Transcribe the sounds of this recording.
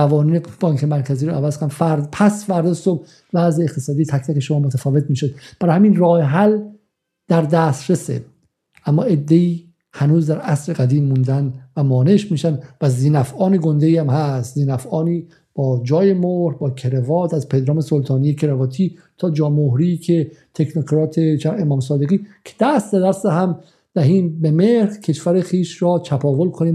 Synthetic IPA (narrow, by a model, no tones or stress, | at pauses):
ævɒːniːneb̥ɒːŋkʰemæɾkʰæziːɾɔʔævæzkʰonfæɾpʰæsfæɾd̪ɒsob̚ | væzeːχt̪e̥sɒːd̪ijet̪ʰækt̪ʰækeʃomɒːmot̪ʰæfɒːvet̪̚miːʃod̪b̥æɾɒhæmiːnrɒːhɦæl | d̪̥æɾd̪æst̪ɾesḛ | ʔæmːɒːe̞d̪ːeiː | hænuːzd̪æɾæsɾeɡæd̪iːmːund̪ænvæmɒːneʃmiːʃænd̪væziːnæfʔɒːniɡo̞nd̪eiːæmhæst̪ziːnæfɒːniː | b̥ɒːd͡ʒɒːje̞mohɾhbɒːkʰeɾevɒːt̪ʰæzpʰe̞d̪ɾɒːme̞solt̪ʰɒːniːjecʰeɾevɒːt̪ʰiːt̪ʰɒːd͡ʒɒːmoɦɾikʰet̪ʰeknokʰɾɒːt̪ʰet͡ʃʰænemɒːmsɒːd̪e̞ɣiːkʰe̥d̪̥æst̪d̪ed̪æɾst̪eɦæm | d̪̥æɦiːmbemeɾhcʰe̞ʃfæɾexiːʃɾɒːt͡ʃʰæpʰɒːvolkʰoniːm